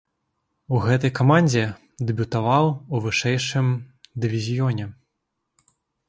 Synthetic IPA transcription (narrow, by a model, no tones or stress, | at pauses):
uɣɛt̪̬ɐjkamanʲd͡zʲɛ | d̪ɨbʲut̪avawuvɨʂɛjʂɨmd̪ɨvʲizʲijɔnʲɛ